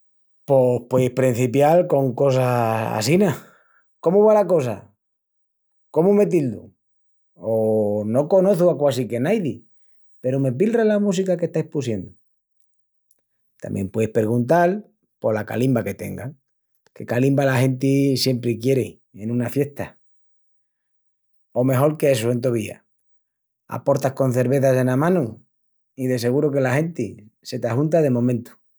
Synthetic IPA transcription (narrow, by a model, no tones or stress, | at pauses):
po̞pweðihpɾin̟θipjalko̞ŋko̞s̬aa̰sina | ko̞muβ̞alako̞s̬a̰ | ko̞mume̞t̪̬ild̪ṵ | ono̞ko̞noθuakwas̬ike̞najði | pe̞ɾome̞p̬ilralamus̬ikake̞ht̪ajhpusje̞nd̪u | t̪a̰mbje̞̰mpweðihpe̞ɾɣunt̪al | po̞laka̰limbake̞t̪e̞̰ŋɡaŋ | ke̞kalimbalaxe̞nt̪̬isje̞mpɾekje̞ɾe | enũnafje̞ht̪a | o̞me̞xo̞ɾkeesoe̞nt̪oβia̰ | a̰po̞ɾt̪ahko̞n̟θe̞ɾβe̞θase̞namãnu | iðe̞se̞ɣ̞uɾoke̞lahe̞nt̪ise̞t̪ahunt̪aðe̞mõ̞mẽnt̪u̥